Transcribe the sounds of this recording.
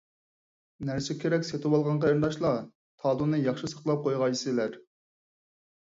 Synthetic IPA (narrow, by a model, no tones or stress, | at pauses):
næɾsɪkʲʰeɾɛkʲset̪ʰɪwɑlˠʁɑnqʰəɾnd̪ɑʃlˠɑ | t̪ʰɑːlˠunɨjɑχʃisə̥χlˠɑp̚qʰojʁɑjsɨlæɾ